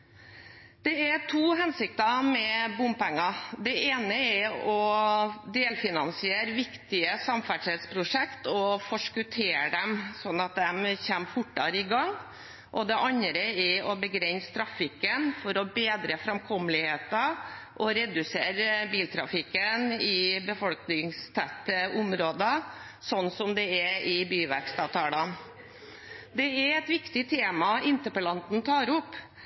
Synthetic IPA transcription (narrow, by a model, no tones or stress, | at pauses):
d̪̥ɛæʈʰuːɦɛnsɪkt̪ɑmɛbʊmpɛŋːɑd̪ɛʔeːnəɛɔ | d̪eːlfɪnɑnsɪeːɾʋɪkt̪ɪəsɑmfæʂɛt̪spʰɾʊʂɛkt̪ɔfɔʂkʉt̪ʰeːɾɖɛmsɔnːɑt̪̚d̪ɛmçɛmːfʊʈːɑɾɪɡɑŋ | ʔɔd̪ɛʔɑnɾəɛɔbəɡɾɛnst̪ʰɾɑfɪkːənfɔɾɔbeːd̪ɾəfɾɑmkʰɔmlɪheːt̪ɑ | ʔɔɾɛd̪ʉseːɾbiːlt̪ʰɾɑfɪkːənɪbəfɔlknɪŋst̪ʰæt̪ːəʊmɾoːd̪ɑ | sɔnːsɔmd̪ɛɛɪbyːʋæ̰kst̪ɑːʋt̪ʰɑːlɑn | d̪ɛɛɾɛt̪ʋɪkt̪ɪt̪ʰeːmɑɪnt̪əpəlɑnt̪n̩t̪ʰɑːɾʊpː